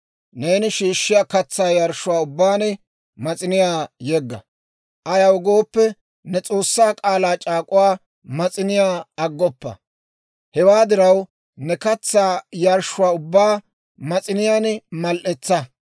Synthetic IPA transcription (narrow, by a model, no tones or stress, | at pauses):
ne̞ːnɪʃiːʃːɪjaːkɐt͡sːaːjaɾʃʊwaːʊbːaːnɪ | mɐt͡sʼɪnɪjaːjɛɡːɐ̰ | ʔɐjɐwɡo̞ːpːɛ | nɛt͡sʼo̞ːsːaːkʼaːlaːt͡ʃʼaːkʼʊwaː | mɐt͡sʼɪnɪjaːɐɡːɔpːɐ̰ | hɛwaːd̪ɪɾɐw | nɛkɐt͡sːaːjaɾʃʊwaːʊbːaː | mɐt͡sʼɪnɪjaːnmɐlʔɛt͡sːɐ